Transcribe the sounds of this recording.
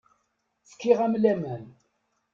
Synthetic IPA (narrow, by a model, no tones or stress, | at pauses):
t͡sə̥kːɪʁæmlæmæn